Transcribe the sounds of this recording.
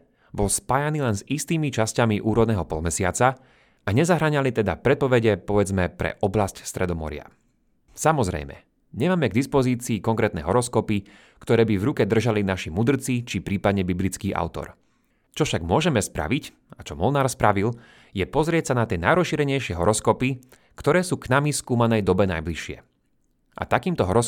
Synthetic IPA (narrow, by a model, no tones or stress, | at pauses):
bɔlspaːjaniːlɛnzist̪iːmit͡ʃascamiʔuːɾɔd̪nɛːɦɔpɔlmɛsɪat͡sa | ʔaɲɛzaɦɾaɲalit̪ɛd̪a̰pɾɛt̪̚pɔʋɛɟɛpɔʋɛd͡zmɛpɾɛ̰ʔɔblascst̪ɾɛd̪ɔmɔ̰ɾɪa̰ | samɔzɾɛ̰jmɛ̰ | ɲɛmaːmɛɡ̚d̪ispɔziːt͡siːkɔŋkɾɛːt̪nɛːɦɔɾɔskɔpi | kt̪ɔɾɛːbivɾukɛd̪r̩ʒalinaʃimud̪r̩t͡sit͡ʃipɾiːpad̪ɲɛbiblit͡skiːʔa̰ʊt̪ɔ̰ɾ | t͡ʃɔfʃaɡmʊɔʒɛmɛspɾa̰ʋic | at͡ʃɔmɔlnaːɾspɾaʋil | jɛpɔzɾɪɛcsanat̪ɪɛnajɾɔsʃiːɾɛɲɛjʃɪɛɦɔɾɔskɔpi | kt̪ɔɾɛːsuːknamiskuːmanɛjd̪ɔbɛna̰jbliʃɪɛ̰ | ʔa̰t̪akiːmt̪ɔɦɔɾɔ